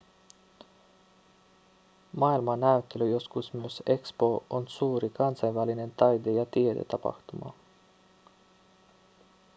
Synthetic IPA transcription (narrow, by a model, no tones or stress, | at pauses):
mɑːilmɑnæyt̪ːe̞lyjo̞skusmyøse̞kspo̞onsuːɾikɑnsɑjnʋæline̞nt̪ɑjd̪ejɑt̪ied̪e̞̰t̪ɑpɑ̰xt̪umɑ̰